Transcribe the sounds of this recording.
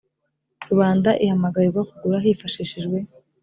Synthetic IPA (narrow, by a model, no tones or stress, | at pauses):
ɾuβaːndaʔihamaɡaɾiɡakuɡuɾaɦifaʃiʃiʒɡwe̞